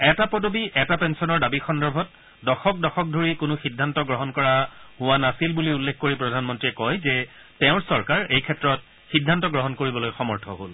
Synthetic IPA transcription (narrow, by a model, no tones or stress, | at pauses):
ɛtapodobiʔɛtapɛnsɔnɔɹdabixɔndɔɹbʱɔt̚ | dɔxɔk̚dɔxɔk̚dʱoɹikʊnʊxidʱːantɔɡɹɔɦɔnkɔɹaɦʊwanasilbuliulːekʰkoɹipɹɔdʱanmɔntɹiɛkɔjzɛ | tɛʊ̃ɹsɔɹkaɹejkʰɛtɹɔt̚ | xidʱːantɔɡɹɔɦɔnkoɹibɔlojxɔmɔɹtʰɔ̰ɦo̰l